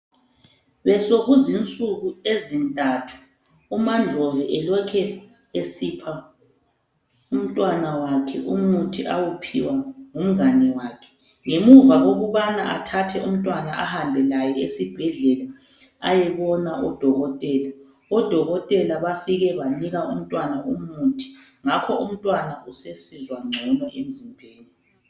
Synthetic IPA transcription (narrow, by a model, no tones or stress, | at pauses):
βɛsoɣuzint͡sʼuɣuezintʼatʰu̥ː | mand͡ɮʱɔvɛʔɛlɔkʰɛ | esipʰa | um̩tʼwanawakʰɛ̰ʔumutʰiʔa̰wupʰḭwaŋum̩ɣanɛwaːkʰɛ̥ | ŋemuvaɣoɣuβanaʔatʰatʰɛum̩tʼwanaʔahambʱɛlajɛesib̥ʱɛɮɛla | a̰jɛβɔnaʔɔd̥ʱɔɣɔtʼɛːla | ɔd̥ʱɔɣɔtʼɛlaβafiɣɛβaniɣaum̩tʼwanaumutʰi̥ | ŋakʰɔum̩tʼwanaʔusesizwaŋ͡ǀʱɔnɔʔem̩zʱimbʱeːni